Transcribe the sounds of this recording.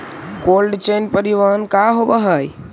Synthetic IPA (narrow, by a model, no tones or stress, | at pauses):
ɡolɖt͡ʃenpəɾiʋankaɦobəɦəj